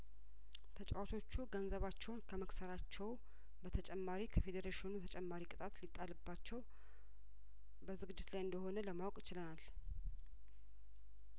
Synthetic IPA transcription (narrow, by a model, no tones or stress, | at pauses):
t̪ʰət͡ʃʼɛwat͡ʃʰo̞t͡ʃːuɡənzəβat͡ʃːɛwnkʰəməksəɾat͡ʃːɛw | bət̪ʰət͡ʃʼɛmːaɾikʰəfe̞d̪eɾeʃɪonut̪ʰət͡ʃʼɛmːaɾikʼɨt̪ʼat̪lit̪ʼːalɨbːat͡ʃːɛw | bəzɨɡɨd͡ʒːɪt̪lajɨnd̪əɦo̞nələmawkʼɪt͡ʃɪlənal